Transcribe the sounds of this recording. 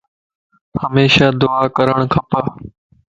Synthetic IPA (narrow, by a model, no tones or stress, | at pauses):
həmeːʃaːd̪ʊaːkəɾəɽ̃kʰɐpə